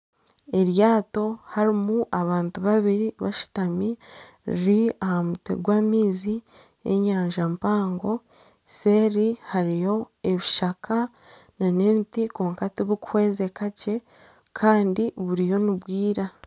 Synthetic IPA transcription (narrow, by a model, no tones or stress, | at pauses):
e̞ɾjaːto̞haɾimuʔaβaːntuβaβiɾiβaʃu̥tami | ḭɾiahamutḛɡwaːmiːzi | e̞̰ɲaːɲʒampaːŋɡo̞ | seɾihaɾijo̞ | e̞βiʃakʰa | nanentikoːŋkatiβukuhweːze̞kace̞ | kʰaːndiβuɾijo̞niβwiːɾa